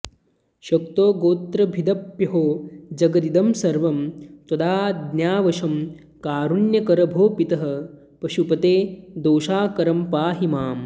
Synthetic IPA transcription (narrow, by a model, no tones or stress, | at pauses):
ʃɐkt̪oːɡoːt̪ɾɐbʱid̪ɐpjɐɦoːd͡ʒɐɡɐd̪id̪ɐmsɐɾʋɐmt̪ɐd̪aːd̪nʲjaːʋɐʃɐm | kaːɾunjɐkɐɾɐbʱoːpit̪ɐɦɐ̆ | pɐʃupɐt̪eːd̪oːʃaːkɐɾɐmpaːɦimaːm